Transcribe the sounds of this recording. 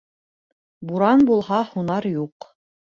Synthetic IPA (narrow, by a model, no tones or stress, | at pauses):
buɾɑnbulˠhɑhunɑɾjuq